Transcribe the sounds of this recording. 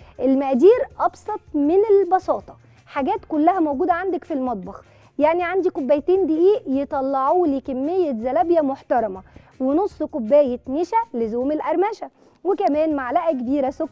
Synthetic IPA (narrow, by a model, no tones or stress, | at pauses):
ʔelmæʔd̪iːɾʔɑbsˤɑt̪ˤmenelbɑsˤɑːt̪ˤɑ̥ | ħaɡæːt̪kolːæhæmowɡuːd̪æʕand̪ækfilmɑt̪̚ˤbɑx | jaʕniʕand̪ikobːæjt̪eːnd̪iʔiːʔjet̪ˤɑlːɑʕuːlekæmːejːæzælæbjæmoħt̪ɑɾˤɑmæ | wenosˤːkobːæːjet̪meʃælezuːmelʔæɾˤmæʃæ | wekæmæːnmaʕlæʔæk̬ebiːɾæsokː